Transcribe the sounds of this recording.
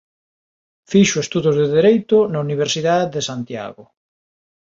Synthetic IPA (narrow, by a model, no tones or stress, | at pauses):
fiʃʊest̪uðozðeðeɾejt̪ʊnauniβ̞eɾsiðaððesant̪ja̰ɣʊ